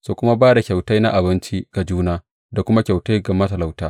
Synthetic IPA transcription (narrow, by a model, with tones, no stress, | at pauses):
soː˨kʷʊ˦ma˦baː˦da˨kʲa˨wta˦jna̰˦ʔa˨bɪ˦nt͡ʃi˦ɡ̥a˨d͡ʒuː˦naː˦ | da˨kʷʊ˦ma˦kʲa˨wta˦jɡa˨mɐ˦ta˨la˨wtaː˦